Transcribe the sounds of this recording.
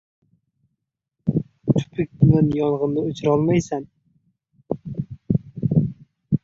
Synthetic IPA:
t̪ʰʊ̥pʰɪk̚ʲʊnanjɒnʁɨnnɪɵt͡ʃʰɪɾɒlˠmajsan

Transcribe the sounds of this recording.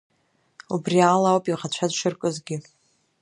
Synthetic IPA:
ubrialawpʼiʁat͡ɕʷʰazʃɨrkʼɨzɡʲɪ

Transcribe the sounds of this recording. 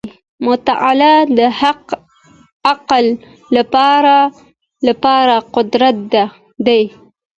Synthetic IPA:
mʊt̪aʔalad̪əhaq | aqalː | apɑɾa | lapɑɾaqʊd̪ɾat̪̚d̪a | d̪aj

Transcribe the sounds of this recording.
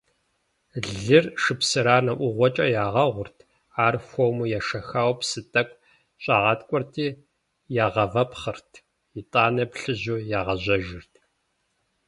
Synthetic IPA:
ɮɨrʂɨpsɨɾaːnɐʔʷʊʁʷɔt͡ʃʼɐjaːʁɐʁʷʊrtʰ | aːrfʷomujɛʂɐxaːwpsɨtʼɐkʷʼ | ɕʼaːʁɑːtkʷʼɔrtʰiː | jaːʁɐvɐpχɨrtʰ | itʼaːnɐpɬɨʑuːjaːʁɐʑɐʒɪrtʰ

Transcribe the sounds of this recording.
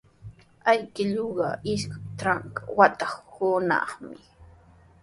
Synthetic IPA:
ajkɪʎoɢɑɪʃkat̪ɾaŋkawat̪ɑχhʊnɑ̰χmɪ

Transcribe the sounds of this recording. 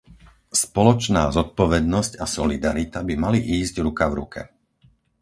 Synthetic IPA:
spɔlɔt͡ʃnaːzɔt̪̚pɔʋɛd̪nɔscasɔlid̪aɾit̪abimaliʔiːzɟɾukavɾukʰɛ̰

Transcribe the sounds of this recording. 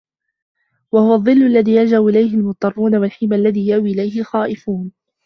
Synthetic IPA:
wahʊwɑðˤːɨlːalːaðiːjad͡ʒabʔɪlajhɪlmʊt̪ˤːɑrˤːuːnawalħɪmːalːaðiːjaʔwiːʔɪlajhɪlxaːʔɪfuːn

